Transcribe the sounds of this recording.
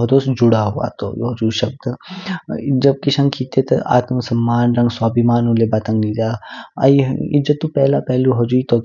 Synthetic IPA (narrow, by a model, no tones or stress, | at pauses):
ɦd̪oːsd͡ʒʊɽaɦua̰ːt̪o̰jo̰ɦɐd͡ʒuʃɐb̚d̪ | d͡ʒɐb̚kiʃɐ̃ŋɡkʰiːt̪et̪ɐ̰ʔa̰ːt̪msɐmːaːnɾɐ̃ŋɡswaːbimaːnulebat̪ɐ̃ŋɡlid͡ʒ̪aːɐ̰iɪ̰d͡ʒət̪ːupɛːlapɛɦluɦɐd͡ʒuːit̪o